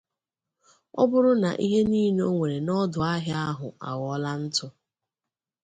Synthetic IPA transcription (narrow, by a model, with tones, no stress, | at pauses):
ɔ̰˦bʊ˦ɾʊ˦na̰˨ʔi˦ɦe˦niː˦n˦o˦ŋʷe˨ɾe˨nɔ˦dʊ˨a˦ɦja˦ɦʊ˨a̰˨wɔ˦la˦n̩˦tʊ˦